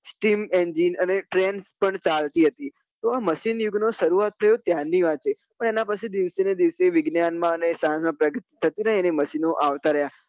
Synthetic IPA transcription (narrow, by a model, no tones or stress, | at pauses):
sʈimend͡ʒinəneʈɾenspəɳt͡ʃalt̪iɦət̪i | t̪oaməʃinjuɡnoʃəɾuat̪ʰːəjot̪janːiʋat͡ʃʰe | pəɳenapət͡ʃʰid̪iʋsened̪iʋseʋɪɡnjanmãənesãɦãsmãpɾəɡət̪i̥t̪ʰːət̪inəɦĩɛneməʃinoʔaʋt̪aɾəɦja